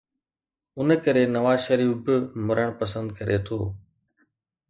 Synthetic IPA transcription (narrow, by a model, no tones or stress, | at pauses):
ʊnkəɾeːnɐʋaːzʃəɾiːfbɪmʊɾəɽ̃pəsə̃nd̪̚kəɾʔet̪ʰoː